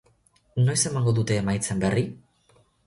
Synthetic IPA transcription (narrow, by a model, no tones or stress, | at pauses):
no̞jse̞maŋɡo̞ðut̪e̞ːmajt͡se̞mberi